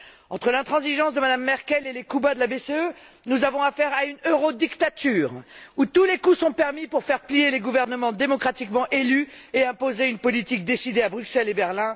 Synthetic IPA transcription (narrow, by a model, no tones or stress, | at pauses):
ɑ̰̃t̪χəlɛ̃t̪χɑ̃ziʒɑ̃sd̪əmad̪amːɛʁkʲɛlelekubad̪əlabeseø | nuzavɔ̃afɛʁaynøʁod̪ikt̪at̪yːʁut̪ulekusɔ̃pɛʁmipuʁfɛʁplijeleɡuvɛʁnəmɑ̃d̪emɔkχat̪ikmɑ̃ʔelyeɛ̃pozeynpɔlit̪ik̚d̪esid̪eabʁyksɛlebɛʁlɛ̃